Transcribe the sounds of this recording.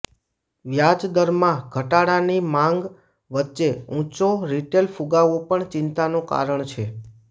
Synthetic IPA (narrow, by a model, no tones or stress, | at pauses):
ʋjad͡ʒd̪əɾmãɡʱəʈaɽanimãŋɡ | ʋətːʃeũt͡ʃoɾiʈelfuɡaʋopəɳt͡ʃɪ̃nt̪anoka̰ɾəɳt͡ʃʰe